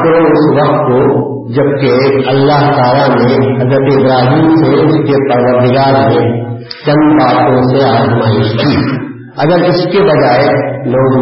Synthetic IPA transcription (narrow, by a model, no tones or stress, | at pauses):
k̪ɾoʊsʋɐqt̪ko | d͡ʒɐb̚keɐlːaɦt̪aːlanẽɦɐzɾət̪eɪbɾaːɦiːmseʊskepəɾʋəɾd̪ɪɡaːɾmẽ | t͡ʃɐ̃nbaːt̪õseaːzmaːɪʃkʰiː | ɐ̰ɡəɾɪskebɐd͡ʒaːeloːɡ